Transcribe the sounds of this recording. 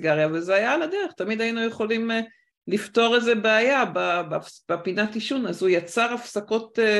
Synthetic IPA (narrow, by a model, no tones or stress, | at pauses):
ɡaʁjavezeajaladeʁeχtamid̪ajinujeχo̞lim | lifto̞ʁezebeajababfb̥epinatiʃunazujat͡saʁafsako̞te